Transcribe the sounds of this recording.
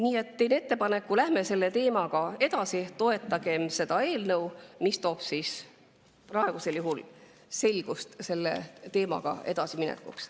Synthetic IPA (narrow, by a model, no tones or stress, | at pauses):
niːe̞t̪ːe̞jnet̪ːe̞pɑne̞kːulæhme̞se̞lːe̞t̪e̞ːmɑɡ̥ɑe̞d̪̥ɑsit̪o̞e̞t̪ːˑɑɡ̥e̞mse̞d̪̥ɑe̞ːlnɤwmist̪o̞ːb̥sis | prɑeɡ̥use̞ljuɦul | se̞lʲɡ̥ust̪se̞lːḛt̪e̞ːmɑ̰ɡ̥ɑ̰e̞̰d̪̥ɑsiminḛkːˑṵks